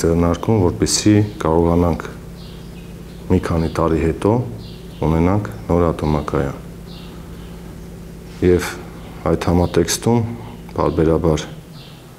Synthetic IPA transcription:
ɛrnɑɾkumvɔɾpɛsikɑɾɔʁɑnɑŋkʰ | mikʰɑnit̪ɑɾiɦɛt̪ɔ | unɛnɑŋkʰnɔɾɑt̪ʰɔmɑkɑjɑ̰n | jɛv | ɑjt̪hɑmɑt̪ɛkst̪um | pɑ̰ɾbɛɾɑbɑɾ

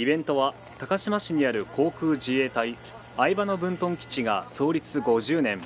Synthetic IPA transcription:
ibẽ̞nt̪o̞βa | t̪akaɕimaɕiɲ̟iaɾɯ̟kʰo̞ːkɯ̟ːʑie̞ːt̪ai | aibano̞bɯ̟̃nt̪õ̞ŋkʲi̥t͡ɕiɡa̰so̞ːɾʲit͡sɨɡo̞ʑɨːnẽ̞ŋ

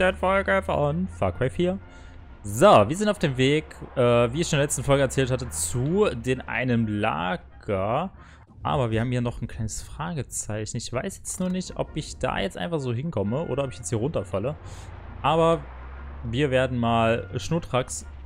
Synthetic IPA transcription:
d̥ɛnfɔlɡəfɔnfa̰kʰwɛɪfhiːɐ | zoviːɐzɪntaʊfd̥eːmveːkʔɛːviːɪçʃondnːɐlɛt͡stn̩fɔlɡəɛɐt͡sɛːlthatət͡sudeːnʔa̰ɪnəmla̰ːɡ̥ɐ | ʔa̰ːbɐviɐhaːbm̩hiːɐnɔχn̩kʰl̥aɪnəsfʁ̥aːɡət͡saɪçn̩ɪçv̥aɪsjɛt͡stnuːɐnɪçtʔɔ̰pɪçd̥a̰ːjɛt͡stʔa̰ɪnfaχz̥oːɦɪnkʰɔməʔo̰ːɾɐɔpɪçjɛt͡sthiːʁʊntɐfalə | ʔaːbɐ | viːɐveːɐdn̩maːlʃnutʁ̥aks

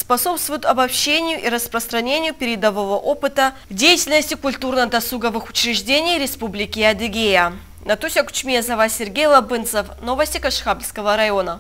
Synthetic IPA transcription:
spɐso̞pst̪vʊjʊt̪ɐbɐpɕːenʲɪjʊʔiɾəspɾəst̪ɾɐnʲenʲɪjʊpʲɪɾʲɪd̪əvəvəʔopɨt̪ədʲejɪtʲɪlʲnəsʲtʲɪkʊlʲt̪urnəd̪ɐsuɡəvɨxʊ̥t͡ɕɾʲɪʐdʲenʲɪjɾʲɪspublʲɪkʲɪɐd̪ɨɡʲejə | nɐt̪usʲɐkʊ̥t͡ɕmʲiəzɐvasʲɪrɡʲejlˠɐbɨnt̪səfnovəsʲtʲɪkɐʂxabʲlʲskəvəɾɐjo̞nə

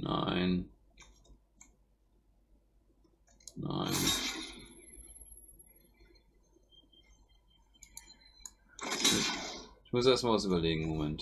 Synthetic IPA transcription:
na̰ɪn | na̰ɪn | mʊsɪçmʊsʔeːɐstmalvas̬yːbɐleːɡŋ̩momɛnt

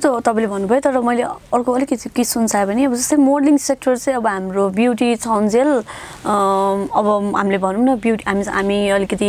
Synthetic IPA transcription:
t̪ot̪ʌpãĩlebʱʌnːubʱʌjot̪ʌɾʌmʌjleʌrkoʌlikʌt̪ikisunt͡sʰabʱʌniʌbʌd͡zʌst̪ʌjmorliŋsek̚ʈʌrt͡sʌ̃j̃ʌbʌɦamrobjuwʈ̬it͡sʰawnd͡zel | ʌbʌɦamilebʱʌnũnʌbjuʈiɦamiɦamiʌlikʌt̪i

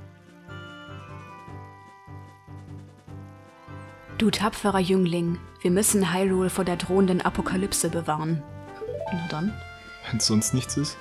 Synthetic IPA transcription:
d̥uːtʰapfəʁɐjʏŋlɪŋv̥iːɐmʏsn̩ɦaɪʁuːlfoːɐdeːɐdʁoːəndənʔa̰pʰokʰalʏpsəbəvaːʁən | dɔn | vɛnsz̥ɔnstnɪçt͡sɪs

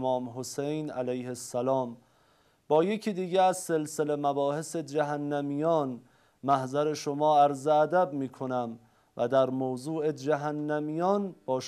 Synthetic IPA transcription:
mɒːmɦosejnælæjhesːælɒːm | bɒːjecʰiːd̪iːɡeæzse̞lselemæbɒːhese̞d͡ʒæɦænːæmijɒːn | mæhzæɾe̞ʃomɒːæɾzeːd̪æbmiːkʰo̞næm | væd̪æɾmowzuːʔed͡ʒæɦænːæmijɒːnb̥ɒːʃ

